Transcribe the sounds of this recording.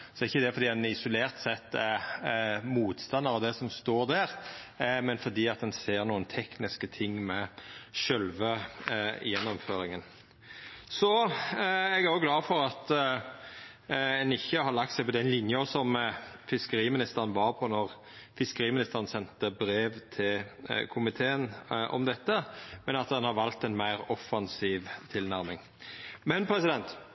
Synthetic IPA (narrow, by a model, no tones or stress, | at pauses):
sɔɪçːəd̪ɛfɔɾd̪iːd̪ɛnɪsʊleːʁt̪sɛt̪ːɛ | muːt̪st̪ɑnːɑɾɔʋd̪ɛsɔmst̪oːɾd̪æːɾ | mɛnfɔɾd̪iːɑt̪̚d̪ɛnseːʁnuːənt̪ʰɛknɪskət̪ʰɪŋːmɛʃœlʋə | jɛnːɔmføːɾɪŋən | sɔ | ɛɡæɾoɡlɑːfɔɾɑt̪ | ɛnɪçːəhɑɾlɑk̚t̪sæɪpʰɔd̪ɛɪnlɪnjəɔsɔmfɪskəɾiːmɪnɪst̪əʁənʋɑɾpʰɔnɔʁ | fɪskəɾiːmɪnɪst̪əɾən̩sɛnt̪əbɾeːʋt̪ʰɪlkʰʊmɪt̪ʰeːənʔɔ̰md̪ɛt̪ːəmɛnɑt̪d̪ɛnhɑɾʋɑlt̪ɛnmæɪɾɔfːɑnsiːʋt̪ʰɪlnæɾmɪŋ | mɛnpʰɾɛsɪd̪ɛnt̪